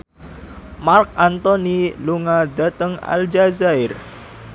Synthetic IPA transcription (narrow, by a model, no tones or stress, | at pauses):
mark̚ant̪ɔniluŋad̪a̤t̪əŋa̰ld͡ʒazaɪr